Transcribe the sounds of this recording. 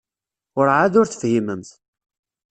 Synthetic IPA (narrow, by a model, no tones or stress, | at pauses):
ʊɾʕaðʊɾθə̥fhiməmθ